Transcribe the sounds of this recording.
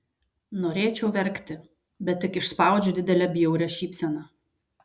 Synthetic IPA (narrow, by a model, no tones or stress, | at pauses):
noːɾʲeːt͡ʃʲɛʊʋʲɛɾʲkt̪ʲɪ | bʲɛt̪ʲːɪkɪʃspɑˑʊd͡ʒʲʊd̪ʲɪd̪ʲɛlʲæbʲɪjɛʊɾʲɛʃʲiːpʲsʲɛnɑ